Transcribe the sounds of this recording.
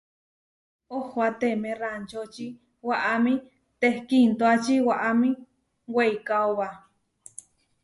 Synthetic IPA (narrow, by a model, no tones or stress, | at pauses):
ohoat̪emẽrant͡ʃot͡ʃi | waʔamĩ | t̪ehkint̪oat͡ʃiwaʔamĩ | weikaoβa